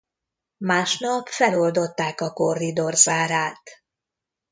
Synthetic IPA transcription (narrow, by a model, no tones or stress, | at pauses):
maːʃnɒpfɛlo̞ld̪o̞t̪ːaːkɒko̞rːid̪o̞rzaːɾaːt̪